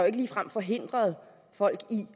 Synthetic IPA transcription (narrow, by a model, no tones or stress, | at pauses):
joe̝ɡ̥əliːfʁam̰fɒ̽ɦe̝n̰d̥ʁɐð̞ˠ | fɒ̽l̰ɡ̥i